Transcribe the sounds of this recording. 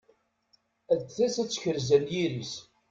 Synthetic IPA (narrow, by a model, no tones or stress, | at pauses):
æd̪θæsæt͡sːçəɾzænjiɾis